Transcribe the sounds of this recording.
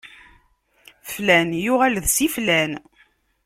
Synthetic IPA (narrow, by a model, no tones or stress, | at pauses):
flænjʊʁælðsiflæn